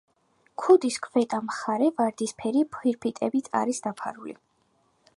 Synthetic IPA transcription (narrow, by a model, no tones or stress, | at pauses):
kʰud̪iskʰvɛt̪ʼamχaɾɛvaɾd̪ispʰɛɾipʰχiɾpʰit̪ʼɛbit̪sʼa̰ɾisd̪̥apʰa̰ɾulḭ